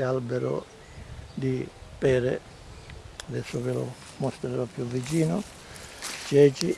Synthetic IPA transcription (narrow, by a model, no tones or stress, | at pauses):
albɛɾʊ̰ | d̪ipɛːɾḛ | ad̪ɛsːʊvɪlʊ̰ | mɔst̪ɾeɾɔpːjuvːit͡ʃiːnʊ | t͡ʃɛːt͡ʃi